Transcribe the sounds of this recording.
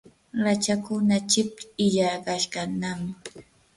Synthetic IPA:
ɾat͡ʃakʊnat͡ʃɪp̚ɪʎaɾɢaʃkanam

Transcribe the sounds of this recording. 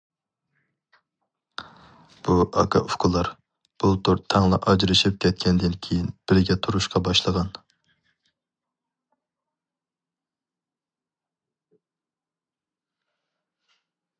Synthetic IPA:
b̥uʔɑkʰɑ̰ʔofkʰulˠːɑɾ | b̥ut̪ʰuɾt̪ʰɑŋlˠɑʔɑd͡ʒɾɨʃip̚kʲʰɛt̪̚kʲʰɛnd̪ɪnkʲʰejinb̥ɪɾɪɡʲɛt̪ʰuɾuʃqɑbɑʃlˠəʁɑn

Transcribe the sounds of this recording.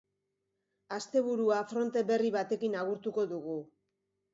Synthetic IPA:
ast̪e̞βuɾuafɾo̞nt̪e̞be̞riβat̪e̞kinaɣ̞uɾt̪uko̞ðuɣu

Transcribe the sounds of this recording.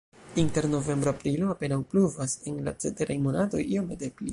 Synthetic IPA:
inte̞ɾno̞ve̞mbɾoapɾilo̞ape̞nawpluvasenla̰t͡se̞teɾajmo̞natojiomede̞pli

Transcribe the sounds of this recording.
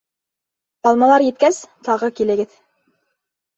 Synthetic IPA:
bɑlˠmɑlˠɑɾjɘ̆t̪̚kæst̪ɑʁɤkilɘ̆ɡɘð

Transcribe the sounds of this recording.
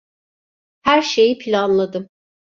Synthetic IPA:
hæɾʃe̞jipʰilʲanlˠad̪ɯm

